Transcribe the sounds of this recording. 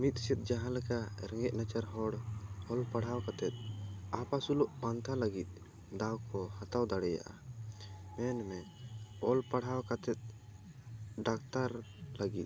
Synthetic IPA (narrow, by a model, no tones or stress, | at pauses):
mit̪̚ˀsit̪̚ˀd͡ʒaɦãlɛkaɾɛŋɡɛʔ̚nat͡ʃaɾɦɔɽhɔlpaɽ̤awkat̪ɛt̪̚apasulɔʔbant̪ʰalaɡit̪̚ˀ | d̪awkɔhat̪awd̪aɽɛja̰ʔa̰ | mɛnmɛ | ɔlpaɽ̤awkat̪ɛt̪̚ | ɖak̚t̪aɾlaɡit̪̚